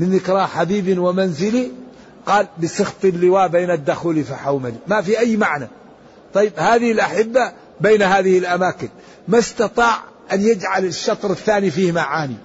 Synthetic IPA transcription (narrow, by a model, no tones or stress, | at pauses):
mɪnðɪkɾˤɑħabiːbɪnwamanzɪli | qɑːlbɪsɨxt̪ˤɪlːɪwaːʔbeːnad̪ːaxuːlifiħawmalimafiʔajːmaʕna | t̪ˤɑjːɪbhaːðɪhɪlʔaħɪbːa | beːnhaːðɪhɪlʔamaːkɪn | mast̪ɑt̪ˤɑːʕ | ʔanjɪd͡ʒʕalɪʃːɑt̪ˤɾˤɪθːaːnifiːhmaʕaːni